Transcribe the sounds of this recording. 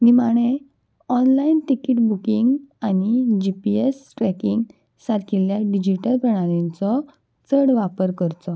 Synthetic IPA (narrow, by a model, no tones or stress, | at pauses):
nimaɽ̃e | ɔnlainʈikiʈbukiŋɡanid͡ʑipiesʈɾɛkiŋɡ | sat̪kiljaɖid͡ʑiʈəlpɾəɽ̃aɾint͡sɔ | t͡səɽʋapəɾkəɾt͡sɔ